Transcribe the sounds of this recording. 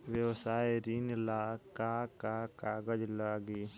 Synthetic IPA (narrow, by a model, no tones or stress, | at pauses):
ʋjəwsaːjeɾinlaːkakakaːɡəd͡ʒlaːɡiː